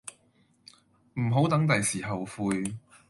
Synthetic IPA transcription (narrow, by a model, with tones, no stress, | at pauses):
m̩˨˩ɦo˨˥wt̪ɐ˨˥ŋt̪ɐ˨jsiː˨˩ɦɐ˨wfuː˧j